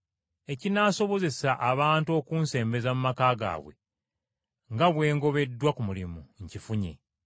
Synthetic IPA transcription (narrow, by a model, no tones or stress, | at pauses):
e̞cinaːso̞βo̞ze̞saʔaβaːntuo̞ːkuːnse̞ːmbe̞zamumakaːɡa̰ːβwe̞̰ | ŋɡaβwe̞ːŋɡo̞βe̞dːwakumulimuɲcifuɲḛ